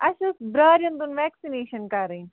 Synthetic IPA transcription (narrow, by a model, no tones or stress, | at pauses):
ɐʃusbɾaːɾjɐnd̪unʋɛːksineːʃɐnkaɾi